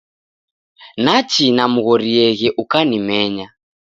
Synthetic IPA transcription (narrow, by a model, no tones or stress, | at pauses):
nat͡ʃinamuɣɔɾiɛɣɛʔukanimɛɲa